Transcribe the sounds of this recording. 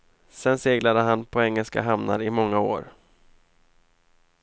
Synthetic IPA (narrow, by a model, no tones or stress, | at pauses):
sɛnseːɡlad̪əɦanpʰɔɛŋːɛlska̰ɦamna̰ɾɪmɔŋːao̰ːɾ